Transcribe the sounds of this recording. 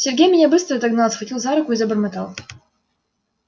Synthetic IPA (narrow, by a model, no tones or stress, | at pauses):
sʲerɡʲemʲijʲabɨstʰratʼaɡnalazχakʲʰʼilzaɾakʷaizabɨrmatʰal